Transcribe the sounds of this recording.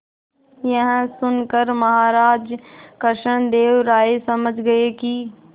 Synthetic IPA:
jəɦsʊnkəɾmɐɦaːɾaːd͡ʒkəɾʃəñd̪eːʋɾaːesɐməd͡ʒʱɡəekiː

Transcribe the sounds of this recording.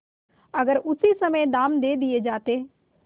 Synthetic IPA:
ɐɡəɾʊsisɐməjd̪aːmd̪eːd̪ied͡ʒaːt̪eː

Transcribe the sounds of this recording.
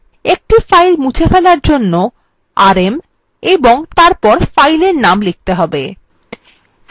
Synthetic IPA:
ek̚ʈifajlmut͡ɕʰefelaɾd͡ʑonːo | aɾem | eboŋt̪aɾpɔɾfajleɾnamlek̚t̪eɦɔbe

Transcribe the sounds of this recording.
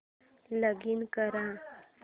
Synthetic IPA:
ləɡinkəɾã

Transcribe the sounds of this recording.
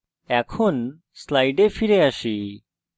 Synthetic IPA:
ɛkʰon | slajɖefʰiɾeaʃi

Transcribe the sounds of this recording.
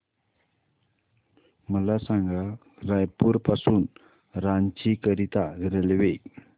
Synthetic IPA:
məlasaŋɡa | ɾajpuɾpasuːn | ɾant͡ɕikəɾit̪aɡiɾəlʋe

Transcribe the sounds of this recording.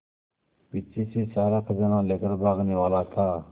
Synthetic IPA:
pɪt͡ʃʰiːseːsaːɾaːkʰəzaːnãːleːkəɾbʱaːɡneːʋaːlaːt̪ʰaː

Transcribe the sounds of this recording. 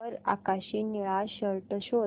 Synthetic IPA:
əɾa̰kaɕiːniɭaɕəɾʈəɕo

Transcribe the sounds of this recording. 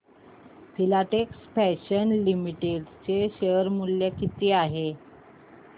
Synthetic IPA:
fʰilaʈeksfɛɕənlimiʈeɖt͡seɕəɾmulːjekit̪eaɦe

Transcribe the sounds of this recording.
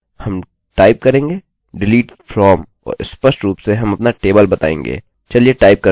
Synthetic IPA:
hɐm | ʈaːɪp̚kɐɾẽːŋɡeː | ɖɪliːʈfɾɔːm | ɔ̰ːɾɪspəɾsʈɾuːpseɦɐmɐpnaʈeːbəlbɐt̪a̰ːḛ̃ːŋɡḛː | t͡ʃɐlijeʈaːɪp̚kɐ

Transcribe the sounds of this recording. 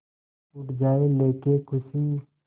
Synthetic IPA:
ʊʈʰd͡ʒaːeleːkekʊsi

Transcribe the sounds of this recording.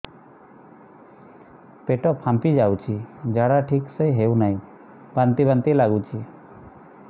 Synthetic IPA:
peʈɔpʰːãmpid͡ʒawt͡ʃʰid͡ʒaɽaʈʰiksejɦewnaĩ | bant̪ibant̪ilaɡut͡ʃʰi

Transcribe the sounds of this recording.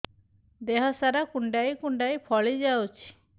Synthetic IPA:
d̪eɦɔsaɾakuɳɖajkuɳɖajpʰɔɭid͡ʒawt͡ʃʰi̥

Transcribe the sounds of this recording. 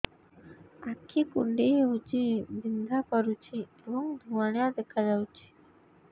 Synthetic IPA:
akʰːikuɳɖiut͡ɕidind̪ʱakəɾut͡ɕieʋəŋd̪ʱuʋaɳjad̪ekʰad͡ʒawt͡ɕi̥

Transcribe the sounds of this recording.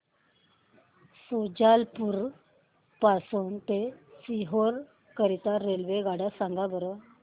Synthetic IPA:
sod͡ʑalpuɾ | pasuːnt̪esiɦoɾ | kəɾit̪aɾelʋeɡaɽasaŋɡabəɾə

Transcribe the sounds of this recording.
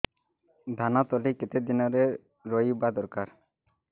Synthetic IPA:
d̪ʱanat̪ɔliket̪ed̪inɔɾe | ɾɔibad̪ɔɾkaɾ

